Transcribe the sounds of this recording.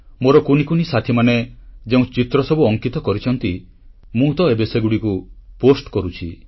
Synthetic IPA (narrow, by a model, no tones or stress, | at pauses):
moɾɔkunikunisat̪ʰimaned͡ʒeũt͡ʃit̪ɾɔsɔbuɔŋkit̪ɔkɔɾit͡ʃʰɔnt̪i | mũt̪ɔebeseɡuɽikuposʈkɔɾut͡ʃʰi